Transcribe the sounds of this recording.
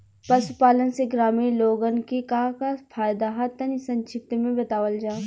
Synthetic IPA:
pɐsʊpaːlənseɡɾaːmiːloːɡənkekaːkafʰaːjd̪aɦat̪ɐnisɐ̃nt͡ʃʰɪp̚t̪mẽbɐt̪aːʋəld͡ʒaː

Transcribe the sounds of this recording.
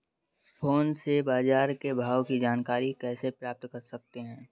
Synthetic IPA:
fʰoːnsebaːzaːɾkebʱaːwkid͡ʒaːnkaːɾikɛːsepɾaːp̚t̪kɐɾsɐk̚t̪eɦɛ̃ː

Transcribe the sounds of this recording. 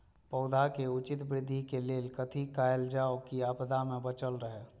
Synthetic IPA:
pəʊd̪ʱakeʊt͡ʃɪt̪bɾɪd̪ʱːikeleːlkət̪ʰikaeld͡ʒaokiəpd̪amẽbət͡ʃəlɾəɦe

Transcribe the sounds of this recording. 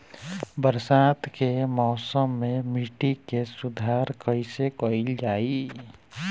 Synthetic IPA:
bəɾsat̪kemɔːsəmːemiʈikesud̪ʱaɾkəɪsekəɪld͡ʒaːi

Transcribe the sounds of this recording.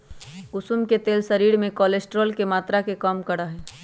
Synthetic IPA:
ɡʊsumket̪eːlsəɾiːɾmẽkɔːlesʈɾəlkemaːt̪ɾakekaːmkəɽaɦɛː

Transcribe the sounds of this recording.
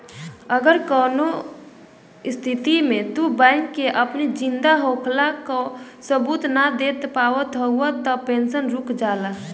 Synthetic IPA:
əɡəɾkɔːno | ɪst̪ʰɪt̪imẽt̪ubãɪŋkːeʔəpnid͡ʒɪ̃nd̪aɦoːkʰlako | səbuːt̪nad̪eːt̪paːwət̪ɦəɦuat̪ːɔpẽːnsənɾʊkʰd͡ʒaːla

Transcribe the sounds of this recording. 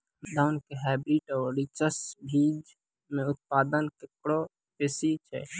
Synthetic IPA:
d̪aʊnkeɦɛbiʈɔːɾit͡ʃəsbʱid͡ʒ | meut̪̚pad̪ənkekɽo | pesit͡ʃʰɛ̰

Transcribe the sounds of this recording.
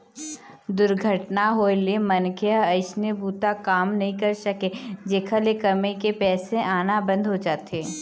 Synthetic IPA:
d̪ʊɾɡʱəʈnaɦoːelemɐnkʰeəɐɪʃnebuːt̪akaːmnɐɦĩkɐɾsɐked͡ʒeːkʰəlekɐmekepɛːsẽʔaːnabɐ̃nd̪ʱɦod͡ʒaːt̪eː

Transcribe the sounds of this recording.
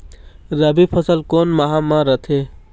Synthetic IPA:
ɾəbipʰəsəlkoːnmɐɦamãɾət̪ʰe

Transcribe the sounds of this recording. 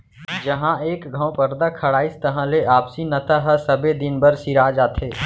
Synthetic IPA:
d͡ʒɐɦãeːkɡʱə̃w̃pəɾd̪akʰɐɽaːist̪ɐɦãleaːpsinɐt̪aɦɐsɐbed̪ɪnbəɾsiɾaːd͡ʒaːt̪ʰeː

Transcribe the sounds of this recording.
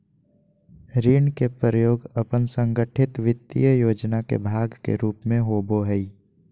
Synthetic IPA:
ɾiːɳkepɾɾəjoːɡəpənsə̃ŋɡəʈʰɪt̪ʋɪd̪ḭjəjoːd͡ʒnakḛbʱaːɡkḛɾuːpmẽɦoːboɦɛi

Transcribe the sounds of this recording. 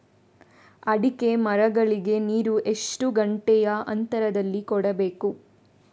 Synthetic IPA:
ɐɽike̞mɐɾɐɡɐɭiɡe̞niːɾuʔe̞ʂʈuɡɐɳʈɛjɐɐ̰nt̪ɐɾɐd̪ɐlːikɔɽɐbe̞ːku

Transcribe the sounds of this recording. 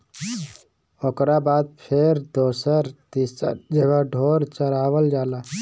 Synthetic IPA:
oːkɾabaːd̪̚pʰeɾd̪oːsəɾt̪ḭd͡ʒeːʋaɖʱoːɾt͡ʃəɾaːʋəld͡ʒaːlaː

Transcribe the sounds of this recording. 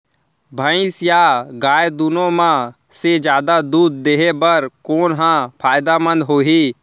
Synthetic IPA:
bʱə̃ɪ̃sjaːɡaːjd̪unõmã | sed͡ʒjaːd̪ad̪uːd̪̚ːeːɦebəɾkoːnɦãpʰaːjd̪amə̃nd̪ɦoːɦiː

